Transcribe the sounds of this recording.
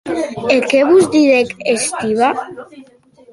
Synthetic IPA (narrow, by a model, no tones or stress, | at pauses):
ekeβuzd̪iðekest̪iβa